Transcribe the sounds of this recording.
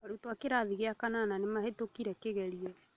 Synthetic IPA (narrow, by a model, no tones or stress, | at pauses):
aɾutoakeɾaðiɣeakanananemahetokiɾɛkeɣɛɾiɛ